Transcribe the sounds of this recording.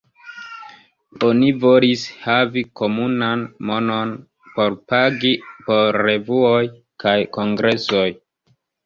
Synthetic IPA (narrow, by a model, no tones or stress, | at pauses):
o̞nivo̞lishaviko̞munanmo̞no̞n | po̞ɾpaɡipo̞ɾːe̞vuo̞j | kajko̞ŋɡɾe̞so̞j